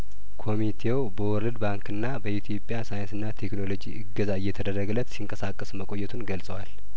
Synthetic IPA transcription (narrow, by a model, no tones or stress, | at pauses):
kʰo̞mit̪ʰe̞wbəwɔɾəd̪baŋkɨnːabəit̪ʰjo̞pʼːjasajɨnsɨnːat̪ʰe̞kno̞lo̞d͡ʒiʔɨɡːəzaɨjːɛt̪ʰəd̪ərːəɡɨlət̪siŋkʼəsakʼːəsməkʼo̞jːɛt̪ʰunɡəlsʼəwal